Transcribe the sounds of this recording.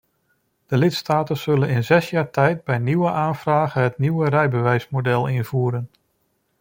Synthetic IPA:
d̥əlɪtstaːtənz̥ɵlənɪnzɛsjaːɹtʰɛjt̚bɛjniwəʔaːnvraːɣəɦətniwərɛjbəʋɛjsmodɛlˠɪnv̥uːɾən

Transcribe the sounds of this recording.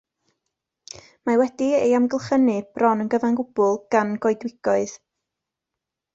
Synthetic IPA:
mawɛdiejamɡəlˠχənɨb̥rɔnənɡəvanɡʊb̥ʊlˠɡ̥anɡɔɨdwɪɡ̥ɔɨð

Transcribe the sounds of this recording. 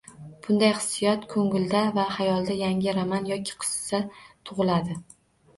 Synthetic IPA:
b̥ʊnd̪ajχɨ̥sːɪjɒt̪kʰɵŋɪld̪avahajɒlˠd̪ajaŋʲɪɾamanjɒkʲʰɪ̥qʰɨ̥ssat̪ʰʊʁɨlad̪ɪ

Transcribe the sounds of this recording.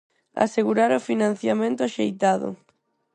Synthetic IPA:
a̰seɣuɾaɾofinãn̟θjamẽnt̪ʊaʃejt̪aðʊ̰

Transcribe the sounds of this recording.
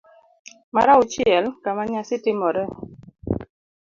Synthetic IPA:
ma̰ɾaʊt͡ʃjɛlkamaɲasɪtɪmɔɾɛ

